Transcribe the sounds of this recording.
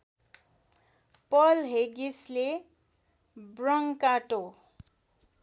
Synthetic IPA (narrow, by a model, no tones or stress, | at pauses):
pʌlɦeɡisle | brʌŋkaʈo